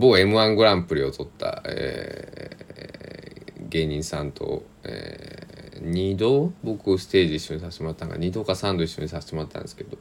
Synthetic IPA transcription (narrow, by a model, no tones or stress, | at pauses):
boːe̞mɯ̟ãŋɡɯ̟ɾãmpɯ̟ɾʲio̞t̪o̞t̪ʰːa̰ḛ | ɡe̞ːɲ̟ĩɰ̃sãnt̪ʰo̞̰ | ḛ | ɲ̟ʲid̪oːbo̞kɯ̟sɨ̥t̪eːʑiiːɕːo̞ɲ̟isaɕe̥t̪emo̞ɾat̪ːãŋɡa̰ɲ̟iːd̪o̞ːkasãnd̪oiɕːo̞ɲisaɕe̥t̪emoɾat̪ːã̰nd̪esɨ̥ke̞d̪o̞